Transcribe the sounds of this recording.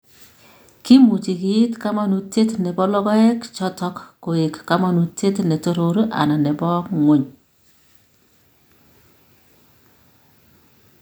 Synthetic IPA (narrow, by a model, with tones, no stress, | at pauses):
ki˦mu˨t͡ʃi˨ki˦tka˦ma˦nu˨te˦tnɛ˨bɔ˦lɔ˦ɡɔ˦ɛ˦kt͡ʃɔ˦tɔ˦kːo˨e˨kːa˦ma˦nu˨te˦tnɛ˨to˦ɾo˨ɾo˦ʔa̰˨na˨nɛ˨bɔ˦kŋo˨˦ɲ